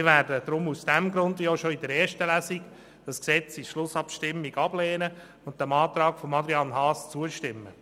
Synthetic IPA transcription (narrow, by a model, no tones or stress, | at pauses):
ɪʋæːɾdəd̥̪ɾʊmusd̥ɛmɡɾʊndʋioʃoidəɾɛːɾʃtəlæsik | d̥ɑsksɛt͡siʃlʊsɑpʃtɪmːiɡ̥ɑblɛːnə | ʊnt̚dɛmɑːt̪ɾɑːkfɔmɑdɾiɑnɦɑːst͡suəʃtɪmːə